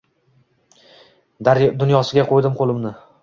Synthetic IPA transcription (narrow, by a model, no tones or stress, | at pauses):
d̪ʊnjɒsɪɡʲaqʰojd̪ɪmqʰolˠɪmnɪ